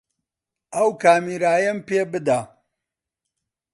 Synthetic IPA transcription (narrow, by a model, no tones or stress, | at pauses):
ʔɐwkaːmiːɾaːjɐmpeːbɨd̪a